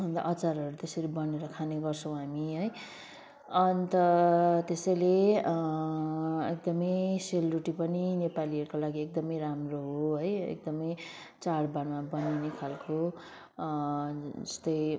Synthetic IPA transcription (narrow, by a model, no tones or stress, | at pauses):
ʌnd̪a̰ʔʌt͡saɾʌɾut̪esʌɾibʌneɾʌkʰaneɡʌrt͡sʰʌ̃w̃ɦamiɦʌj | ʌnt̪ʌt̪esʌjle | ek̚d̪ʌmʌjselruʈipʌninepaliʌɾukolaɡiek̚d̪ʌmʌjɾamroɦoɦʌjḛk̚d̪ʌmʌj | t͡saɽbaɽmabʌninekʰalko | d͡zʌst̪ʌj